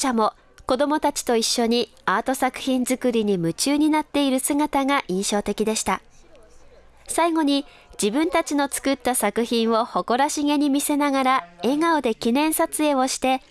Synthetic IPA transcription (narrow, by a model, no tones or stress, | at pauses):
amo̞ | ko̞d̪omo̞t̪at͡ɕi̥t̪o̞iɕːo̞ɲ̟i | aːt̪o̞sakɯ̟̥çĩnzɨkɯ̟ɾʲiɲ̟imɯ̟t͡ɕɨːɲ̟inat̪ːe̞iɾɯ̟sɨɡat̪aŋaʔĩɰ̃ɕo̞ːt̪e̞kʲid̪e̞ɕi̥t̪a | saiɡo̞ɲ̟i | d͡ʑibɯ̟̃nt̪at͡ɕino̞t͡sɨ̥kɯ̟t̪ːasakɯ̟çĩɰ̃o̞ho̞ko̞ɾaɕiŋe̞ɲ̟imʲise̞naɡaɾae̞ŋaod̪e̞kʲinẽ̞ɰ̃sat͡sɨe̞o̞ɕi̥t̪e̞